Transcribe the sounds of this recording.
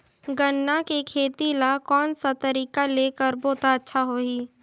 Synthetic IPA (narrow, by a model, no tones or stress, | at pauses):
ɡənːakekʰeːt̪ilakɔːnsat̪əɾiːkaleːkəɾboːt̪aətːʃʰaɦoːiː